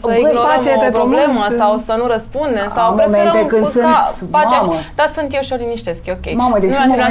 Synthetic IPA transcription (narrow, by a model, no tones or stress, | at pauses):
əinoat͡ʃepepɾobleməsawsənuɾəspund̪e̞msamomenekɨnd̪sɨnafamt͡ʃeməd̪asɨnt̪jewʃioliniʃt̪e̞skʲokʲejmaməd̪enumae